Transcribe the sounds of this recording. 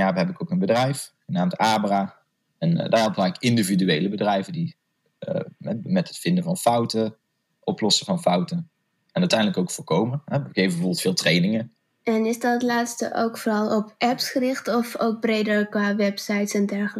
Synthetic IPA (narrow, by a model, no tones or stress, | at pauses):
jaːʋəɦɛbɪkowkənbədrɛjfχənaːmtaːbəra | ɛndaːɹɔpvaːɪkɪndividyejləbədrɛjvədi | ɛmɛtətfɪndəvɑnfɑwtə | ʔɔplɔsəvɑnfɑwtən | ɛnœɥtɛjndləkowkfʊːɹkowməɦɛejfbəvɔːbəlˠtfɪːlˠtrejnɪŋə | ɛnɪsdɑtlaːtstə̰ʔo̰wkfoɾɑlˠɔpʔɛpsχəɾɪχtɔfok̚brejdəɹkʋaːʋɛpsɑjtsɛndɛɹχəl